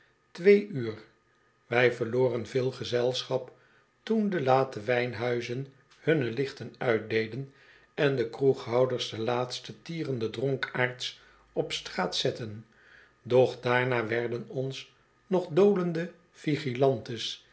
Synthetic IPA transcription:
tʋejyːr | ʋɛjvəʁloːrənvɪːlˠχəzɛlˠsχɑp | tundəlaːtəʋɛjnɦœɥzən | hɵnəlɪχtənœɥt̚dejdən | ɛndəkruχɦɑwdəɹsdəlaːtstətiːrəndədrɔŋkaːɹts | ɔpstraːtsɛtən | dɔχdaːɹnaːʋɛɹdənɔns | nɔχdowləndə | fiχilɑntəs

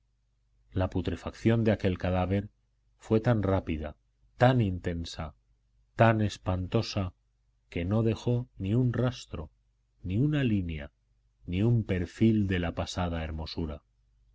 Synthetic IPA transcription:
laput̪ɾefakθjo̞nd̪eake̞lkaðaβe̞ɾ | fwe̞t̪anrapiða̰ | t̪anint̪e̞nsa | t̪ane̞spant̪o̞sa | ke̞no̞ðe̞xo̞niunrast̪ɾo̞ | niunalinja̰ | niumpe̞ɾfild̪e̞lapasað̞ae̞ɾmo̞suɾa

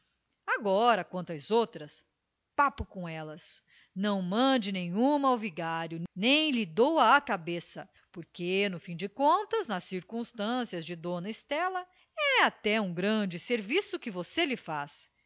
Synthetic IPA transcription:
aɡɔɾɐkwɐ̃nt̪ʊɐzowt̪ɾɐs | papʊkõɛlɐs | nɐ̃w̃mɐ̃d͡ʒɪnẽɲ̃ũmɐawviɡaɾjʊnnẽj̃lɪd̪owɐːkabesɐ | poɾkenʊfĩd͡ʒɪkõnt̪ɐznɐsːiɾkũst̪ɐ̃siɐzd͡ʒɪd̪õnɐɪst̪ɛlɐ | ɛat̪ɛũɡɾɐ̃d͡ʒɪseɾvisʊkɪvoselɪfas

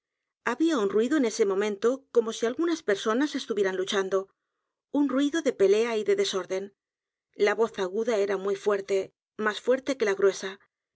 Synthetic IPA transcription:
aβiaunrwiðoene̞se̞mõ̞mẽ̞nt̪o̞ko̞mo̞sialɣunaspe̞ɾso̞nase̞st̪uβjeɾanlut͡ʃand̪o̞ | unrwiðo̞ðe̞pe̞le̞aiðe̞ðe̞so̞ɾðe̞n | laβo̞θaɣuðae̞ɾamwujfwe̞ɾt̪e̞ | masfwe̞ɾt̪e̞ke̞laɣɾwe̞sa

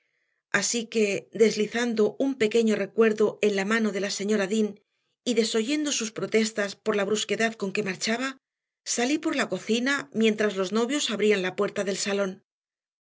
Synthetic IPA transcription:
asike̞d̪e̞zliθand̪o̞umpe̞ke̞ɲo̞re̞kwe̞ɾðo̞e̞nlamãno̞ðe̞lase̞ɲo̞ɾaðin | iðe̞so̞ʝe̞nd̪o̞suspɾo̞t̪e̞st̪aspo̞ɾlaβɾuske̞ðaðko̞ŋke̞maɾt͡ʃaβa | salipo̞ɾlako̞θinamje̞nt̪ɾazlo̞zno̞βjo̞saβɾianlapwe̞ɾt̪aðe̞lsalo̞n

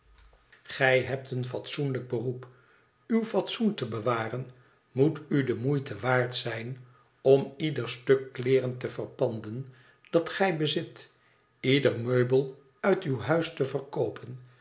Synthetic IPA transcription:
χɛjɦɛp̚tənfɑtsunləɡ̚bərup | ywfɑtsuntəbəʋaːrən | mutydəmujtəʋaːɹtsɛjn | ɔmidərstøkːlɪːrəntəvərpɑndən | d̥ɑtχɛjbəzɪt | idərmøɥbəlˠ | œɥtywɦœɥstəvərkowpʰən

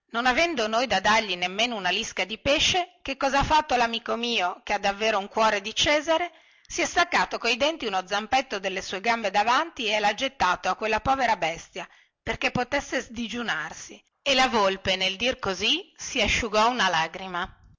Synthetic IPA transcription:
nonavɛnd̪onojd̪ad̪arʎinemːeːnounaliskad̪ipeʃːekekːɔzaafːat̪ːolamiːkomiːokead̪ːavːeːɾouŋkwɔːɾed̪it͡ʃɛːzaɾe | siɛst̪akːaːt̪okojd̪ɛnt̪iunod̪zːampet̪ːod̪elːesuːeɡambed̪avant̪iɛlad͡ʒet̪ːaːt̪oakːwelːapɔːveɾabɛst̪ja | perkepːot̪esːezd̪id͡ʒunarsi | elavolpeneld̪irkozisiaʃːuɡɔunalaːɡɾima

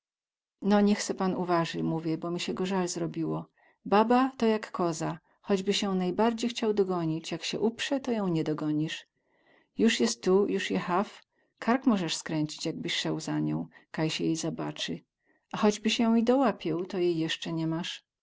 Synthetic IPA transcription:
nɔɲɛxt̪sɛpanuvaʐɘmuvʲjɛbɔmʲiɕɛɡɔʐalzɾɔbʲiwɔ | babat̪ɔjakːɔza | xɔd͡ʑbɘɕjɔ̃w̃najbaɾd͡ʑejxt͡ɕawd̪ɔɡɔɲit͡ɕjakɕɛ̰ʔupʂɛt̪ɔjɔ̃w̃ɲɛd̪ɔɡɔɲiʂ | juʂjɛst̪ːujuʂjɛxaf | kʰaɾkmɔʐɛʂskɾɛɲt͡ɕi̥t͡ɕjaɡ̚bɘɕʂɛwzaɲɔ̰̃w̃kajɕɛjɛjzabat͡ʂɘ | ʔaxɔd͡ʑbɘɕjɔ̃w̃id̪ɔwapʲjɛwt̪ɔjejːɛʂt͡ʂɛɲɛmaʂ

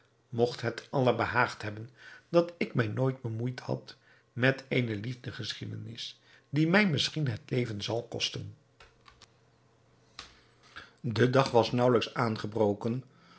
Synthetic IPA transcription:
mɔχtɦətɑlˠəɹbəɦaːχtɦɛbəndɑtɪkmɛjnoːjd̚bəmujthɑ̰t | mɛtejnəlivdəχəsχidə̰nɪs | dimɛjmɪsχinɦətlejvənzɑlˠkɔ̰stən | dədɑχʋɑsnʌwləksaːnχəbrowkən

